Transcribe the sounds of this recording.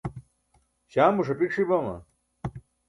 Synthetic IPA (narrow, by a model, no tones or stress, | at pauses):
ɕaːmbuʂɐpikʂibɐmɐ̰